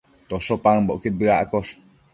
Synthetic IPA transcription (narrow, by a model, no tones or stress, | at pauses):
t̪osopaŋbo̰ʔkebɯaʔkos